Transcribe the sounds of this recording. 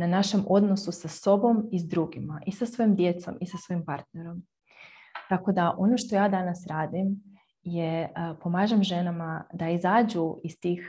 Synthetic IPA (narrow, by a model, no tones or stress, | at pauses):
nanaʃe̞mo̞d̪no̞susaso̞bo̞mizd̪ɾuːɡimaʔisasʋoimd̪jet̪so̞̰misasʋojimpaɾt̪neɾo̞m | t̪ako̞d̪aʔo̞no̞ʃt̪o̞jaːd̪anasɾaːd̪im | jepo̞maːʒemʒe̞namad̪aizaːd͡ʑuist̪iːx